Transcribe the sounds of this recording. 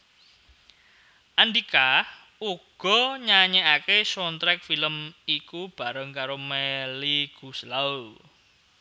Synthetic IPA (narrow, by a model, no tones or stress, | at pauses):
ʔand̪ika | uɡ̥ɔ̤ɲaɲeakesɔnt̪ɾɛk̚filəmikub̥a̤ɾəŋkaɾomɛliɡ̥uslaul